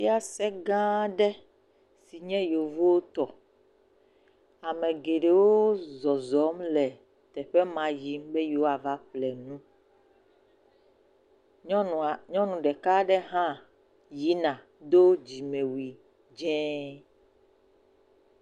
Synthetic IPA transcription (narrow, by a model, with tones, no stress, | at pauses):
i˦a˦sɛ˦ɡã˦ɖɛ˦ | si˨ɲɛ̃˦jo˨vo˦wo˦t̪ɔ˨ | a˨mɛ̃˨ɡe˨ɖe˨wo˦zɔ˨zɔ˨˦mlɛ˨ | t̪ɛ˨ɸɛ˦mã˨ji˨˦mbɛ˦jo˨wo˦a˨va˦ɸlɛ˨nũ˦˨ | ɲɔ̃˦nũ˨ɖɛ˨ka˦ɖɛ˦ɦã˦ | ji˦nã˨ | d̪o˦d͡ʑi˨mẽ˨wi˨ | d͡ʒɛ̃˦